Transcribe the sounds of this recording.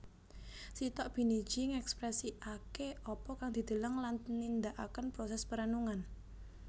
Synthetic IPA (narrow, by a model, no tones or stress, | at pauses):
sit̪ɔʔb̥i̤nid̥d͡ʒ̥iŋɛkspɾɛsiʔakeʔɔpɔkaŋd̪̥i̤d̪̥ə̤ləŋlannind̪aʔakənpɾɔsɛspəɾənuŋan